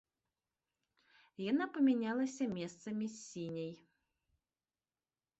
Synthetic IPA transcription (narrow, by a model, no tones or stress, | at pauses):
janapɐmʲɛnʲalˠɐsʲɐmʲɛst̪sɐmʲisʲinʲɐj